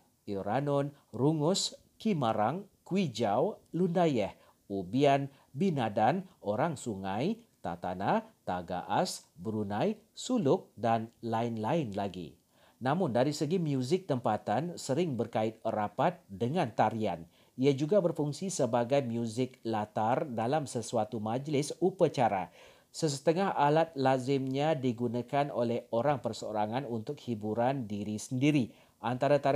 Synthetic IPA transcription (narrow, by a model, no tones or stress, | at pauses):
iɾanɔnruŋʊs | kiməɾaŋkuwid͡ʒawlundajɛh | ubian | binadanʔoɾaŋsuŋajt̪a̰t̪anat̪aɡa̰ʔasbɾunajsulʊk̚danlaɪnlaɪnlaɡḭ | namʊndaɾisəɡimjuzɪk̚t̪əmpat̪ansəɾɪŋbərkaɪt̪̚rapat̪̚dəŋãnt̪aɾia̰n | iad͡ʒuɡabərfuŋsisəbaɡajmjuzɪk̚lat̪ardalamsəsuat̪umad͡ʒlɪsupat͡ʃaɾa̰ | səsə̥t̪əŋahalat̪̚lazɪmɲadiɡunakanolɛhoɾaŋpərsəo̰ɾaŋanunt̪ʊk̚hibuɾandiɾisəndiɾi | ʔant̪aɾat̪a